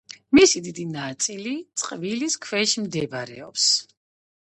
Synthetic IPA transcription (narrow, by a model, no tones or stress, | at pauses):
misid̪id̪inat̪sʼilit̪sʼqʼviliskʰvɛʃimd̪ɛbɾɛ̰ɔ̰ps